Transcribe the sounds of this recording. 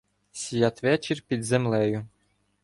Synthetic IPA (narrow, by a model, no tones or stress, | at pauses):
sʲijɑt̪ʋɛt͡ʃirʲpʲid̪zemlˠɛjʊ